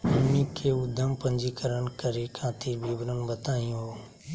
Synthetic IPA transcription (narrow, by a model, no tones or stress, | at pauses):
əmĩkʰeːuːd̪ʱəmpə̃ɲd͡ʒikəɾənkəɾekʰãːt̪iɾbʱiːbɾənbət̪aːĩjũɦoː